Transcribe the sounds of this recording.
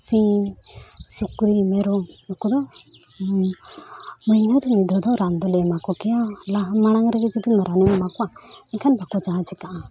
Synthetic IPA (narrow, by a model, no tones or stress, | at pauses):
sĩ | sukɾimɛɾɔmɔkɔd̪ɔ | məjnəɾɛmid̪ʱɔd̪ɔɾamd̪ɔlɛmakɔkɛjalamaɽ̃aŋɾɛɡɛd͡ʒɔd̪imɔɾanimmakɔaɛɲkʰanbakɔd͡ʒad͡ʒɛkaʔa